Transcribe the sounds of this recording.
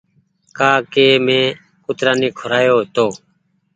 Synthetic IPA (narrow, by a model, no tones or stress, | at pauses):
kaːkeːmẽː | kʊt̪ɾaːniːkʰʊɾaːjoːt̪oː